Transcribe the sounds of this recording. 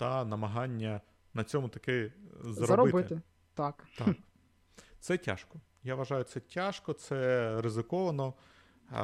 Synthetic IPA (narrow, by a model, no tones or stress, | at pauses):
t̪ɐnɐmɐɦɑnʲːɐ | nɐt͡sʲɔmʊt̪ɐkɛzɐɔɐɾɔbɪtb̪ɪɪt̪ɪ | t̪ɑkt̪ɑ | t̪sɛtʲa̰ʃkɔ | jaʋɐʒɑjʊt̪sɛtʲaʃkɔt̪sɛɾɪzɪkɔʋɐnɔ